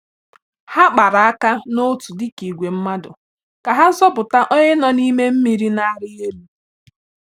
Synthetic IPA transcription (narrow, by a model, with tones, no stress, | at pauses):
ha˦k͡pa˨ɾa˨a˦ka˦no˦tu˨dɪ˦ki˨ɡʷe˨m̩˦ma˦dʊ̰˨ | ka˨ɦa˦zɔ˦bʊ˨ta˦ʔɔ˦ɲɪ˦nɔ˨ni˦me˦m̩˦mi˨ɾi˦na˦a˦ɾɪ˦e˦ɾu˦